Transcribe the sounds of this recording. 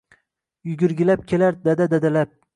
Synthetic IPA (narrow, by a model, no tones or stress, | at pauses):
jʊɡʲɪɾɡʲɪlap̚kʲʰelaɾd̪ad̪ad̪ad̪alap̚